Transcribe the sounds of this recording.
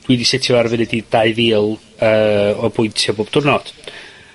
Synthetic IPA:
d̥widisɪtʰiɔarvɨnɛdid̥aɨðiːlˠ | əːɔbʊjntʰjaboːb̥d̥ʊrnɔd̥

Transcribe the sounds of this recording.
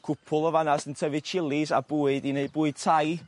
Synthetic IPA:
kʰʊpʰʊlˠɔvanasəntʰəvɨ̥t͡ʃʰɪlˠisab̥uːɨdineɨd̚buːɨd̥̚tʰaj

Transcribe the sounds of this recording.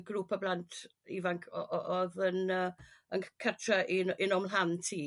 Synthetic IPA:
ɡruːpʰablantʰ | ḭːvaŋkʰɔ̰ʔɔʔɔðənəənkʰətʰrəʔinɪnɔmlˠɦantʰiː

